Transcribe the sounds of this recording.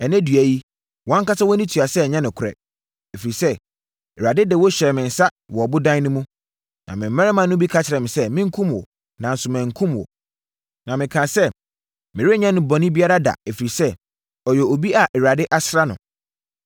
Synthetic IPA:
ɛ˨næ̃˦dɥæ˨ji˦ | wɔ̃˨˦ŋ˦ka˦sa˦wɔ˦nĩ˦tʰɥa˨sɛ˦˨ɲɛ̃˦nʊ̃˨kʰʊ˨ɾɛ̰˨ | ɛ˨fi˨ɾi˨sɛ˦ | ɛ˨ɾa˨dɪ˦dɛ˨wɔ˦ɕɛ˨mɪ̃˨n̩˨sa˦ | wɔ˨ɔ˨bʊ˦dã˦n˦nʊ̃˦mũ˦ | nã˨mɪ̃˨m̩ː˦ɛ̃˦ɾɛ˦mã˨nʊ̃˦bi˦kʰa˦t͡ɕʰɪ˨ɾɛ˨mɪ̃˨sɛ˦mɪ̃˦ŋ̩˦kʰũ˦mwɔ̰˨ | nã˨n̩˨sʊ˨mæ̃˨ŋ̩˨kʰũ˦mwɔ̰˨ | nã˨mɪ̃˨kʰã˨sɛ˦ | mɪ̃˨ɾɪ˦ɲã˦nʊ̃˨bɔ˨nɪ̃˦bi˦a˦ɾa˦da̰˨ɛ˨fi˨ɾi˨sɛ˦ | ɔ˨jɛ˨o˨bi˦a˨ʔɛ˨ɾa˨dɪ˦ʔa˦sɾa˦nʊ̰̃˨

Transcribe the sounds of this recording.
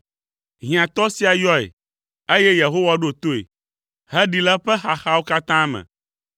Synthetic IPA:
ɦĩ˨ã˨t̪ɔ˦si˦a˨jɔ˦ḛ˨ | e˦jɛ˦je˨ɦo˦wa˦ɖo˦˨t̪o˦ḛ˨ | ɦɛ˦ɖi˨la˦ɸɛ˦xa˨xa˦wo˦ka˦t̪ã˦mɛ̰̃˨

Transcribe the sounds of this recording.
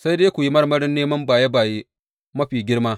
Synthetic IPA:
sa˦jdeː˦kʷu˨ji˦mɐ˦rmɐ˦ɽɪ˦nːeː˦mɐ˦mbaː˨je˦baː˨je˦ | mɐ˦ɸiː˨ɡʲɪ˦ɽmaː˦

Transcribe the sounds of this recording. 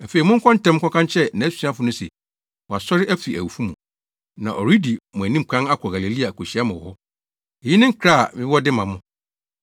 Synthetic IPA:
æ˨fe˨i˨mʊ̃˦ŋ̩˦kʰɔ̃˦n̩˦tʰɛ̃˦m˦kʰɔ˦kʰã˦nt͡ɕʰɛ˦nã˨˦sĩ˦a˦fʊ˨˦nʊ̃˦sḛ˨ | wɔ˨a˨sɔ˦ɾɪ˦ʔæ˦fi˨æ˨wu˨fu˦mũ˨ | nã̰˨ʔɔ˨ɾi˦di˨mʊ̃˨æ˨nĩ˦m̩˨kʰã˦na˦kʰɔ˨ɡa˨le˨li˦a˨kʰo˨ɕi˨˦a˦mã˨wɔ̰˨hɔ˦ | e˨ji˦nɪ̃˦ŋ̩˦kʰɾa˦˨mɪ̃˦wɔ˦dɪ˦mã˨mʊ̃˦

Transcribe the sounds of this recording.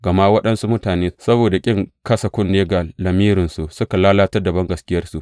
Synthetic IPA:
ɡɐ˨ma˦wɐ˦ɗɐ˦nsu˦mʊ˦taː˨neː˦sɐ˦boː˨da˨kʲʼɪ˦ŋkɐ˦sɐ˨kʷʊ˦nːeː˦ɡa˨lɐ˨miː˦ɾɪ˨nsu˨ʔsʊ˦ka˨laː˦laː˦tɐ˦rda˨bɐ˦ŋɡɐ˨skʲɪ˦jɐ˦rsu˨ʔ

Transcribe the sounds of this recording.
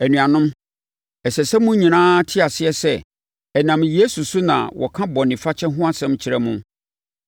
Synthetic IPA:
æ˨nũ˨a˨nʊ̃˦m | ɛ˨sɛ˨sɛ˦mũ˦ɲĩ˨nãː˦tʰɪ˦a˨sɪ˦ɛ˦sɛ˦˨ | ɛ˨nã˨mje˦su˨su˦nã̰˨wʔɔ̰˨kʰã˦bɔ̃˨nɪ̃˨fa˦t͡ɕʰɛ˦ɦʊ̃˦a˦sɛ̃˦mt͡ɕʰɪ˨ɾɛ˦mũ˦

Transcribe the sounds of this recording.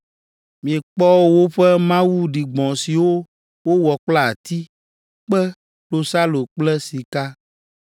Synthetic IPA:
mĩ˨ɛ˨k͡pɔ˦wo˦wo˦ɸɛ˦mã˦wu˦ɖi˨ɡ͡bɔ̃˨si˨wo˦ | wo˦wɔ˨k͡pla˦a˨t̪i˦ | k͡pɛ˦ | lo˦sa˦lo˨k͡plɛ˦si˨ka˦

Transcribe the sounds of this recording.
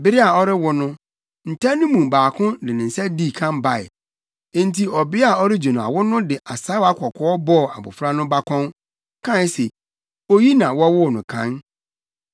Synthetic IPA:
bɪ˦ɾɪ˦a˨ɔ˦ɾɪ˦wʊ˦nʊ̃˦ | n̩˨tʰa˦nʊ̃˦mũ˨baː˨kʰʊ̃˦nɪ̃˨nɪ̃˨n̩˨sɛ˦di˦˨kʰã˦mba˨ɪ̰˨ | ẽ˦n̩˦tʰi˨ɔ˨bɪ˦a˨ɔ˦ɾɪ˦d͡ʑo˨ñ˨a̰˨wʊ˦nʊ̃˦dɪ˨ʔa˨sa˦a˦kʰɔ˨kʰɔ˦ɔ˦bɔ˦˨a̰˨bʊ̰˨fɾa˦nʊ̃˦ba˦kʰɔ̃˦n | kʰã˦n˦se˨ | o˦ji˦nã˨wɔ˦wʊ˦˨nʊ̃˨kʰã̰˦n

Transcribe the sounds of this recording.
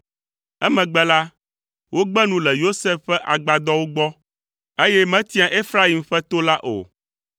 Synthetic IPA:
ɛ˦mɛ̃˨ɡ͡bɛ˦la˦ | wo˦ɡ͡bɛ˦nũ˦lɛ˨jo˦sɛ˦fːɛ˦ʔa˨ɡ͡ba˨d̪ɔ˦wo˦ɡ͡bɔ˦ | e˦jɛ˦mɛ̃˦t̪i˦a˨ʔe˦fɾa˦i˨mɸɛ˦t̪o˦la˦ʔo̰˨

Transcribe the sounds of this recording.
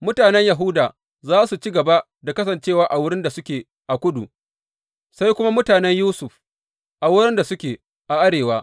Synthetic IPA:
mʊ˦taː˨nɛ˦ɲja˨ɦʊ˦daː˨ | zaː˦su˨t͡ʃi˦ɡɐ˨ba˦ | da˨kɐ˦sɐ˨nt͡ʃeː˦˨waː˦ʔa˨wʊ˦ɽɪ˦nda˨sʊ˦kʲeː˨ | ʔa˨kʷʊ˦dṵ˨ | sa˦jkʷʊ˦ma˦mʊ˦taː˨nɛ˦ɲjuː˦sʊ˨ɸ | ʔa˨wʊ˦ɾɪ˦nda˨sʊ˦kʲeː˨ | ʔa˨ʔa˦ɽeː˨waː˦

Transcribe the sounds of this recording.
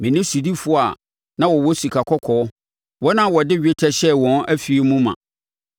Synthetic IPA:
mɪ̃˨nɪ̃˦su˨di˦fʊ˦˨a˨ | nã˦wɔ˨wɔ˦su˨kʰa˨kʰɔ˦kʰɔː˨ɔ˦ | wɔ˦nã˦wɔ˨dɪ˦ɥᶣe˦tʰɛ˦ɕɛ˦wɔ̃˨˦næ˦fi˨e˨mũ˦mã̰˨

